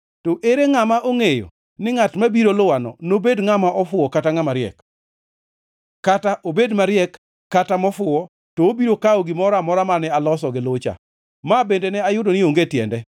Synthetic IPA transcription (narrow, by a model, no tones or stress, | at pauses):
toʔeɾeŋamaʔoŋejo̰ | nɪŋatmabiɾolʊwanɔ̰nobedŋamaʔɔfʊɔkataŋamaɾɪɛ̰k | ataʔobedmaɾjɛkː | atamɔfʊɔ | toːbiɾokaoɡɪmɔɾamɔɾamanɛalɔsɔɡɪlot͡ʃa̰ | mabendenɛajʊdonɪoŋɡetjɛ̰ndɛ